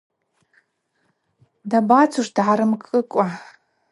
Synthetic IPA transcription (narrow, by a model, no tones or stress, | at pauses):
dabat͡sʰuʂd̥ʕaɾɨmkʼɨkʷʼa